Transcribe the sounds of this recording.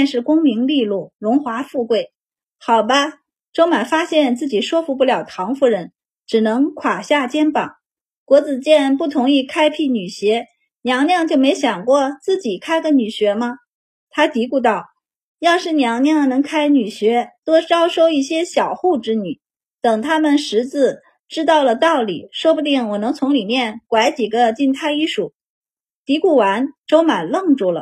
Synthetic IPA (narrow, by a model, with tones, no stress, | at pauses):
ɛ˥˧nʂɻ̩˥˩kʊ˥ŋmi˧˥ŋli˥˧lu˥˩ɻʊ˧˥ŋxwa˧˥fu˥˧kwe˥˩ɪ | xɑ˨˩ʊbɐ˦ | ʈ͡ʂo˥ʊma˨˩nfa˥ɕjɛ˥˧nt͡sɹ̩˥˩t͡ɕi˨˩ʂwɔ˥fu˧˥pu˥˩ljɑ˨˩ʊt̪ʰɑ˧˥ŋfu˧˥˩ɻə˧˥n | ʈ͡ʂɻ̩˨˩nɤ˧˥ŋkʰwa˨˩ɕja˥˩t͡ɕjɛ˥npɑ̰˨˩˦ŋ | kwɔ˧˥t͡sɹ̩˨˩t͡ɕjɛ˥˧npu˥˩t̪ʰʊ˧˥ŋi˥˧kʰa˥ɪpʰi˥˩ny˨˩ɕɥɛ˧˥ | njɑ˧˥ŋnjɑ˥˧ŋt͡ɕjo˥˩ʊme˧˥ɪɕjɑ˨˩ŋkwɔ˥˧t͡sɹ̩˥˩t͡ɕi˨˩kʰa˥ɪɡə˧ny˨˩ɕɥɛ˧˥mɐ˧ | t̪ʰa˥t̪i˧˥ku˥˧t̪ɑ˥˩ʊ | jɑ˥˧ʊʂɻ̩˥˩njɑ˧˥ŋnjɑ˥˩ŋnɤ˧˥ŋkʰa˥ɪny˨˩ɕɥɛ˧˥t̪wɔ˥ʈ͡ʂɑ˥ʊʂo˥˧ʊi˥˩ɕjɛ˥ɕjɑ˨˩ʊxu˥˧ʈ͡ʂɻ̩˥ny˨˩˦ | t̪ɤ˨˩ŋt̪ʰa˥mə˨nʂɻ̩˧˥t͡sɹ̩˥˩ | ʈ͡ʂɻ̩˥t̪ɑ˥˩ʊlə˩t̪ɑ˥˩ʊlḭ˨˩ʂwɔ˥pu˥˩t̪̬i˥˩ŋwɔ˨˩nɤ˧˥ŋt͡sʰʊ˧˥ŋli˨˩mjɛ˥˩nkwa˧˥ɪt͡ɕi˨˩ɡə˧˦t͡ɕi˥˧nt̪ʰa˥˧ɪi˥˩ʂu˨˩˦ | t̪i˧˥ku˥˩wa˧˥nʈ͡ʂo˥ʊma˨˩nlɤ˥˧ŋʈ͡ʂu˥˩lə̰˩